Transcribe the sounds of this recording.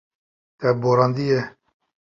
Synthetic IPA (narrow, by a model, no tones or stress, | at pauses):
t̪ɛboɾɑːnd̪ijɛ